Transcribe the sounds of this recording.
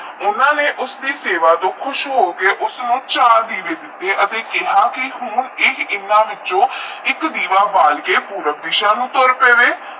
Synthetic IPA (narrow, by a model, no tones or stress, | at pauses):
ʊnãːneːʔʊsd̪iːseːʋaːt̪oːkʰʊʃɦoːkeːʔʊsnũːt͡ʃaːɾd̪iːʋeːd̪ɪt̪ːeːʔət̪eːkɪɦaːkɪɦʊnɪkʰɪnːãːʋɪt͡ʃõːɪkd̪iːʋaːbaːlɡeːpuːɾək̚d̪ɪʃãːnũːt̪oːɾpeːʋeː